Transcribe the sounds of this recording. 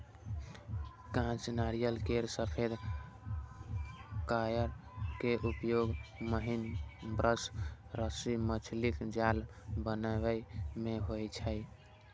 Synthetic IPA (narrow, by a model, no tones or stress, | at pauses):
kãt͡ʃnaɾijəlkeɾsəpʰed̪ʱ | kajəɾkeʔupjoɡməɦinbɾəs | ɾəsimət͡ʃʰlikd͡ʒalbənəbəmeɦojt͡ʃʰəj